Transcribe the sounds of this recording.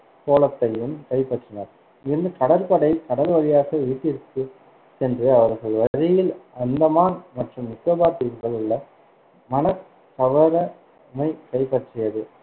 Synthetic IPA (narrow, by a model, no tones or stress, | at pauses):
koːlɐt̪ːɐjɯmkɐɪpɐʈrɪnɐɾ | ɪɾɯnd̪ɯk̪ɐɽɐɾpɐɽɐjk̪ɐɽɐɾʋɐɻɪjaːɣɐʋiːʈːɪɾɯkːɯ | sɛndrɯɐʋɐɾɣɐɭʋɐɾɪjɪlɐnd̪ɐmaːnmɐʈrɯmːɪkːobaːt̪ːɪɾŋɡɐɭɯɭːɐ | mɐnɐ | k̪ːɐʋɐɾɐ | mɐɪkɐɪpɐʈrɪjɐðɯ